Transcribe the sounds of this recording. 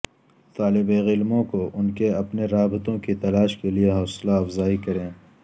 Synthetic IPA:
t̪aːlɪbeːɣɪlmõkoʔʊnkeɐpneɾaːbɪt̪õkit̪ɐlaːʃkelieɦɔːslaɐfzaːikɐɾẽː

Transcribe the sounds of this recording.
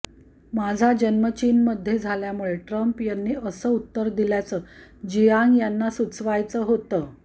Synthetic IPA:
mad͡zʱad͡ʑənmət͡ɕiːnməd̪ʱːjed͡zʱaljamuɭeʈɾəmpjanːiːʔəsəːut̪ːəɾd̪iljat͡səːd͡ʑijaŋɡjanːasut͡sʰʋajt͡səːɦot̪əː

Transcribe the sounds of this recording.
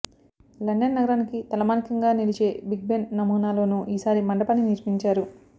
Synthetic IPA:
lɐɳɖɐnnɐɡɐɾaːnikit̪ɐlɐmaːnikɐŋɡaːnilit͡ʃe̞ːbiɡ̚bennɐmuːnaːlo̞ːnuːʔiːsaːɾimɐɳɖɐpɐniniɾpiɲt͡ʃaːɾu

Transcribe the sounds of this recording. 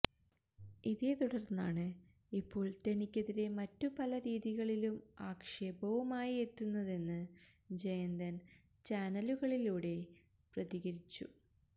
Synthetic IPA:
iðeːt̪uɽɐrnːaːɳɨ | ipːo̞ːɭt̪enikʲːeðiɾe̞mɐtːupɐlɐɾiːðiɣɐɭilumaːkʂeːbɐʋɐmaːjie̞t̪ːunːɐðe̞nːɨ | d͡ʑejɐnd̪ɐn | t͡ɕaːnɐluɣɐɭiluːɽe̞ | prɐðiɣɐɾit͡ɕːṵ

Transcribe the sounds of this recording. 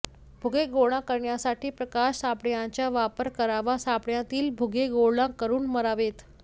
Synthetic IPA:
bʱuɡeɡoɽ̃ãkəɾɳjasaʈʰiːpɾəkaɕsapɳjãt͡ɕjaʋapəɾkəɾaʋasapɳjãt̪iːlbʱuɡeɡoɭlãkəɾuːnməɾaʋet̪

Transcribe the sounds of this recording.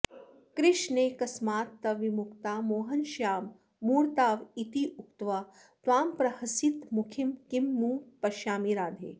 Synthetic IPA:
kɾɪʃneːkɐsmaːt̪ːɐʋimʊkt̪aːmoːɦɐnʃaːmː | uːɾt̪aːʋit̪iʔukt̪ʋaː | t̪ʋaːmpɾɐhɐsit̪mukʰimkimːuːpɐʃjaːmiɾaːd̪ʱḛː

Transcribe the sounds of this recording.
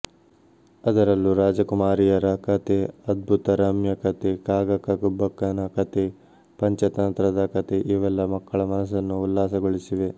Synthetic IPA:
ɐd̪ɐɾɐlːuɾaːd͡ʒɐkumaːɾijɐɾɐkɐt̪eɐd̪̚bʱut̪ɐɾɐmjɐkɐt̪ekaːɡɐkɐkubːɐkːɐnɐkɐt̪e | pɐɲt͡ʃɐt̪ɐnt̪ɾɐd̪ɐkɐt̪eʔiːʋɛlːɐmɐkːɐɭɐmɐnɐs̬ɐnːuːlːaːsɐɡoɭisiʋe̞

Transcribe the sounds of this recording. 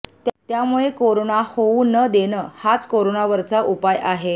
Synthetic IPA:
t̪t̪jamuɭekoɾonahouːnəd̪enəhat͡skoɾonaʋəɾt͡saʔupajaɦe

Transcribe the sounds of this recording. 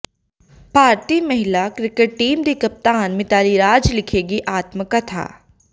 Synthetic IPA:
paːɾt̪imɐɦɪlakɾɪkeʈ̚ʈːiːmd̪ikɐp̚t̪aːnmɪt̪aːliɾaːd͡ʒlɪkʰeːɡiʔaːt̪məkɐt̪ʰa̰ː

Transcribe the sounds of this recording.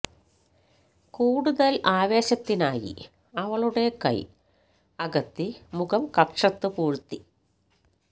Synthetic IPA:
kuːɽuðɐlaːʋe̞ːɕɐt̪ːinaːjḭ | ɐʋɐɭuɽe̞kɐ̰j | ɐɣɐt̪ːimuɣɐmkɐkʂɐt̪ːɨpuːɻut̪ːi

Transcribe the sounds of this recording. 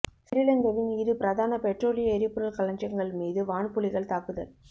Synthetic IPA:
sɪɾɪlɐnd̪ɐʋɪnɪɾɯpɪɾɐðaːnɐpɛʈroːlɪjɐɛɾɪpːɯɾɐlkɐlɐɲd͡ʒɐŋɡɐɭmiːðɯʋaːɳpʊɭɪɣɐɭt̪aːkɯðɐ̰l

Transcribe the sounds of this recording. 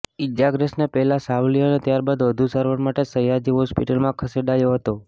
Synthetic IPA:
ɪd͡ʒaɡɾəsnepɛɦɛlasaʋlijoənet̪jaɾbad̪ʋəd̪ʱusəɾʋəɾmaʈesəjad͡ʒiɦɔspḭʈəlmãkʰəseɖajoɦət̪o

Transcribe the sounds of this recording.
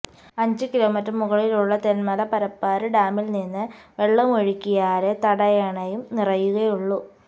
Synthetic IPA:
ɐɲd͡ʑɨkilo̞ːmitrɐmuɣɐɭiluɭːɐt̪enmɐlɐpɐɾɐpːaːɾɨɖaːmilninːɨʋe̞ɭːɐmoɻikʲːijaːɾet̪ɐɽɐjeːɳɐjumnirɐjuɣɐjuɭːu

